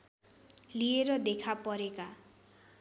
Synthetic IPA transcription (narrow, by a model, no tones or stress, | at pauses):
lieɾʌd̪ekʰapʌɾeka